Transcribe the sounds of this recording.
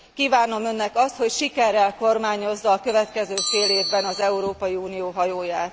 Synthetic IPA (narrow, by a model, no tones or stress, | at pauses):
kiːvaːno̞mø̞nːɛkɒst̪ho̞cʃikɛrːɛlko̞rmaːɲo̞zːɒːkø̞vɛt̪kɛzøːfeːleːvbɛnɒzɛuɾoːpɒjiuːnijoːɦɒjoːjaːt̪